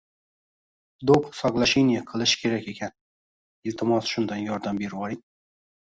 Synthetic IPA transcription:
d̪opsɒqlˠaʃenijaqʰɨlˠɪʃkʲʰe̞ɾakʲe̞kʲʰan | ɪlt̪ʰɪmɒsʃʊnd̪anjɒɾd̪ambe̞ɾwɒɾɪn

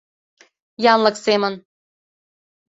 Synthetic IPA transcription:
jɑnləksemən

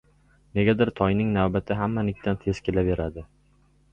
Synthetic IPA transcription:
ne̞ɡʲad̪ɪɾt̪ʰɒjnɪŋnavbat̪ʰɪɦamːanɪkʲt̪ʰant̪ʰe̞zkʲelave̞ɾad̪ɪ

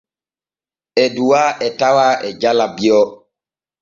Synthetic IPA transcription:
ɛduwaʔɛtawaːʔɛd͡ʒalabiɔ

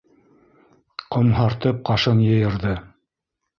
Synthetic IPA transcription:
qŏmɦɑɾt̪ɤp̚qɑʃɤnjɤ̆jɤ̆ɾðɤ

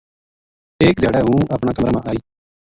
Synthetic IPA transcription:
eːk̚d̪ʱjaːɽɛːɦũːəpɳaːkəmɾamãːʔaːiː

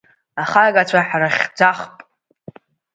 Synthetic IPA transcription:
aχaɡʼat͡ɕʷʰaħraχʲd͡zʷaχpʼ

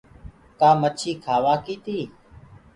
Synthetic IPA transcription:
kaːmət͡ʃʰiːkʰaːʋaːkiːt̪iː

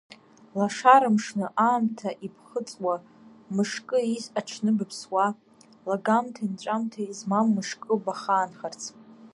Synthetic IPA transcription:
laʂaɾɨmʂnɨʔaːmtʰaʔipʰχət͡sʼwa | mɨʂkʼɨizaʈ͡ʂʰnɨbɨpʰswa | laɡamtʰaint͡ɕʷʼamtʰaizmamːɨʂkʼɨbaχaːnχart͡sʰ

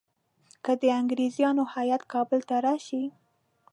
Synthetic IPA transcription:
kəd̪əaŋɡɾezjɑnohajat̪kɑbəlt̪aɾɑʃi

